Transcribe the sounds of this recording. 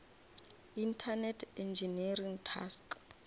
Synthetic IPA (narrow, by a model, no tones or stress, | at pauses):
intʰanɛtʰɛnd͡ʒinariŋtʰa̰sk